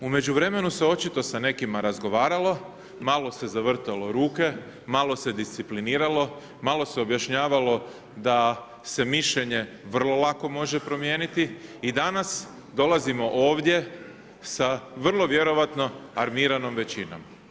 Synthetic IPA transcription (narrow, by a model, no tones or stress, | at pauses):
ume̞d͡ʑuʋɾe̞me̞nuse̞o̞t͡ʃit̪o̞sane̞kimaɾazɡo̞ʋaːɾalo̞ | malˠo̞se̞zaʋr̩t̪alˠo̞ɾuːke̞ | malo̞se̞d̪ist̪sipliniːɾalo̞ | malˠo̞se̞o̞bjaʃɲaːʋalo̞ | d̪a | se̞miʃʎe̞ɲe̞ | ʋr̩lˠo̞lˠako̞mo̞ʒe̞pɾo̞mje̞ːnit̪iid̪anas | d̪o̞lˠazimo̞ʔo̞ːʋd̪je̞ | saʋr̩lˠo̞ʋje̞ɾo̞ʋat̪no̞aɾmiːɾano̞mʋe̞t͡ɕino̞̰m